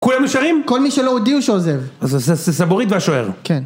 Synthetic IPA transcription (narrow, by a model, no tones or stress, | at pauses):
kulameʃaʁimko̞lmiʃelood̪iuʃeozevazasasesaboʁit̪veaʃoḛʁkʰen